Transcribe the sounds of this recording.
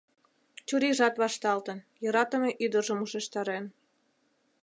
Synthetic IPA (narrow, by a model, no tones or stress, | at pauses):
t͡ɕuɾiʒɑt̪βɑʃt̪ɑlt̪ən | jɤɾɑt̪əmeʔyd̪əʒəmuʃeʃt̪ɑɾen